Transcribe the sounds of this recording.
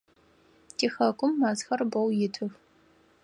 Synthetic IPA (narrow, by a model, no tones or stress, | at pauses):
tʰiːxɐkʷʼʊmːaːzxɐrbɐwjɪtʰɨx